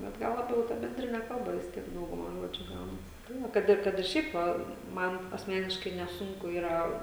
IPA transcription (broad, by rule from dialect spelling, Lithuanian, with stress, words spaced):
bʲɛt ˈɡɐlˠ lˠɐˈbʲɛʊ tɐ bʲɛnʲˈdʲrʲɪnʲɛ ˈkɐlˠbɐ ʋʲɪs ˈtʲiɛk ˈdɐʊɡʊmɐ ˈʒoːd͡ʒʲʊ ˈɡɐʊnɐs ˈbuːnɐ ˈkɐt ɪr ˈkɐt ɪr ˈʃʲɛɪp ʋɐ ˈmɐn ɐsʲˈmʲæːnʲɪʃkɐɪ nʲɛˈsʊŋkʊ ˈiːrɐ